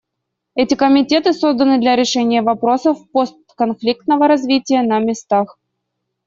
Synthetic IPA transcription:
ɛtʲɪkəmʲɪtʲe̞t̪ɨso̞zd̪ənɨd̪lʲɐɾʲɪʂɛnʲɪjəvɐpɾo̞səfpost̪kɐnflʲik̚t̪nəvəɾɐzvʲitʲɪjənəmʲɪst̪ax

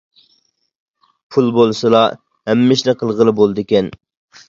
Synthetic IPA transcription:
pʰulˠbolˠsɨlˠɑ | hɛmːɪʃnɪqʰəlˠʁəlˠɨbolˠd̪ɨkʲɛn

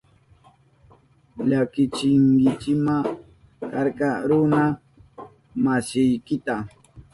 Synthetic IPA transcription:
ʎakɪt͡ʃɪŋkɪt͡ʃɪma | kaɾkɑɾʊna | masɪjkɪt̪a

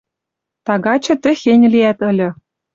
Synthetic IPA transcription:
t̪ɑɣɑt͡ɕɤ̆t̪ɘ̆xenʲliæt̪ɤ̆lʲɤ̆

